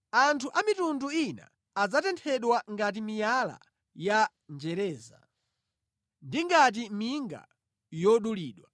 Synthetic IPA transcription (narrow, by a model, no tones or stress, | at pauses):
antʰuʔamitunduina̰ː | d͡zatɛntʰɛɗwaŋɡat̬imijala̰ | ja | nd͡ʒɛɾɛːza̰ | ndiŋɡat̬imiŋɡa̰ | jɔɗuliːɗwa